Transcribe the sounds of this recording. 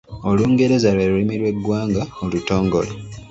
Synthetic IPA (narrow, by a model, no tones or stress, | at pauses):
o̞luːŋɡe̞ɾe̞zalweɾulimiɾwe̞ɡwaːŋɡaoluto̞ːŋɡo̞le